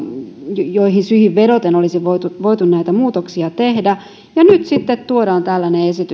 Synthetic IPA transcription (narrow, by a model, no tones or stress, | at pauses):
joiɦinsyhiʋʋedot̪enolisiʋoit̪uʋoit̪unnæit̪æmuːt̪oksiɑt̪ehdæ | jɑnyt̪sit̪ːet̪t̪uodɑːnt̪ælːæneesit̪y